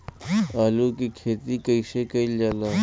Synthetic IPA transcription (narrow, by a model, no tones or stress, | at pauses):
aːlukikʰeːt̪ikəiʃekɐild͡ʒaːlaː